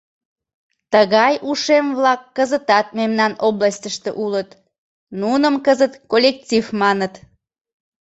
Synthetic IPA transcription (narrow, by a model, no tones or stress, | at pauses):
t̪əɣɑjʔuʃemvlɑkːəzət̪ɑt̪̚memnɑnoblɑsʲtʲəʃt̪eʔulət̪ | nunəmkəzət̪kolʲek̚tʲivmɑnət̪